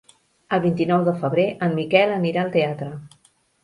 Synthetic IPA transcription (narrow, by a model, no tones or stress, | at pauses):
əlˠβint̪inɔwðəfəβ̞ɾeʔəmːikɛləniɾaəlˠt̪eat̪ɾə